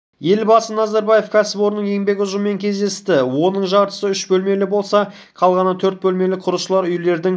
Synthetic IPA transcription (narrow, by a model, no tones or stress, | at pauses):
je̞lbɑsənɑzɑɾbɑje̞fkʲʰæsɪpo̞ɾnəɴje̞ŋbe̞kʲʊʒəmːe̞ŋkʲʰe̞zd̪e̞st̪ɪwo̞nəɴʒɑɾt̪ə̥səʏʃbɵlme̞lɪbo̞lˠsɑqʰɑlˠʁɑnɑt̪ʰɵɾt̪̚bɵlme̞lɪqʰʊɾəʃəlˠɑɾʏjle̞ɾd̪ɪŋ